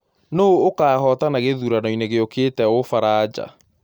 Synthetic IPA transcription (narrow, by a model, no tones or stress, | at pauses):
noːkaːhɔtanaɣeðuɾanɔineɣeokeːtɛofaɾaːd͡ʑa̰